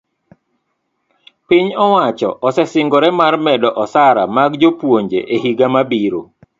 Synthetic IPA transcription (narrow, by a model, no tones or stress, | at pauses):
pɪɲɔwat͡ʃɔ̰ʔɔsɛsɪŋɡɔɾɛmarmɛdɔʔɔsaɾamaɡd͡ʒopwoɲd͡ʒḛʔehiɡamabiɾo